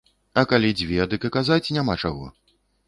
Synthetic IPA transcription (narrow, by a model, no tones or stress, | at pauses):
ɐkalʲid͡zʲvʲɛd̪ɨkɨkazat͡sʲnʲamat͡ʂaɣɔ̰